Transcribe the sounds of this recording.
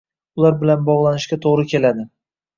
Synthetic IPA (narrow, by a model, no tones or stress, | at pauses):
ʊlˠaɾbɪlanbɒʁlˠanɪʃkʲat̪ʰoʁɾɪkʲʰe̞lad̪ɪ